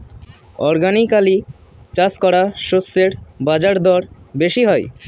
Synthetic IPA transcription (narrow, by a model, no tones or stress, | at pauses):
ɔɾɡanikali | t͡ɕaskɔɽaʃosːeɾbad͡ʑaɾd̪ɔɾbeʃiɦɔj